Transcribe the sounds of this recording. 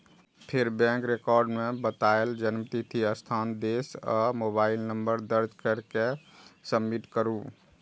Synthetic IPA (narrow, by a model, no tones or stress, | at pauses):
pʰeɾbɛ̃ŋkɾekɔɾɖmebət̪aeld͡ʒənmt̪it̪ʰiəst̪ʰand̪esɔ̰mobailnəmbəɾd̪əɾd͡ʒkəɾke | səmːiʈkəɾu